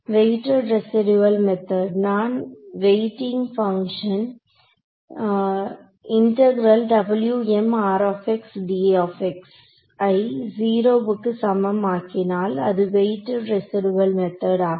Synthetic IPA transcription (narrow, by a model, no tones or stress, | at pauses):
ʋeɪʈːɐɾɾɛsɪɖuʋɐlmɛt̪ɐɖnaːnʋeɪʈɪŋɡfɐŋkʂɐn | ɪɳʈɐɡɪɾɐlɖɐbɪljuɛmaːɾoːfɛksɖiːoːfɛks | ɐɪziːɾoːʋɯkːɯsɐmɐmaːkɪnaːlɐ̰ðɯʋeɪʈːɐɾɾɛsɪɖuʋɐlmɛt̪ɐɖaː